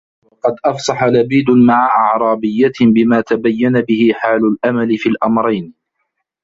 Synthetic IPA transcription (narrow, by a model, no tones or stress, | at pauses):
wɑqɑd̪ʔɑfsˤɑħalabiːd̪ʊmaʕaʔɑʕɾˤɑːbɪjːabɪmaːt̪abajːanabɪhɪħaːlʊlʔamalɪfiːlʔɑmɾˤɑjn